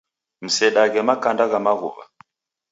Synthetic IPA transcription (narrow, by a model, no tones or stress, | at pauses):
m̩sɛɗaɣɛmakandaɣamaɣṵβa̰